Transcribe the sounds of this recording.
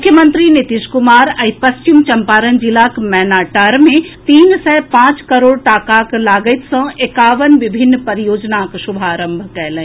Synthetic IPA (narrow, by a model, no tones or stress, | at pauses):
mʊkʰjəmə̃nt̪ɾinit̪iʃkʊmaːɾɐipɐst͡ʃɪmt͡ʃɐmpaːɾənd͡ʒɪlaːkmɛːnaːʈaːɾmẽt̪iːnsɛːpãːt͡ʃkɐɾoːɽʈaːkaklaːɡəjt̪ʰsɐ̃ekaːʋənʋɪbʱɪnːpɐɾijoːd͡ʒnakʃʊbʱaːɾə̃mbʱkɛjlə̃